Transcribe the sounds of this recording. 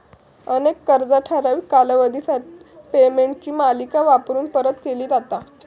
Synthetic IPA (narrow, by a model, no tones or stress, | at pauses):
ənekːəɾd͡zaʈʰaɾaʋikalaʋəd̪ʱisaʈi̥pemeɳʈ̚t͡ɕiːmalikaʋapɾuːnpəɾət̪keliːd͡zat̪a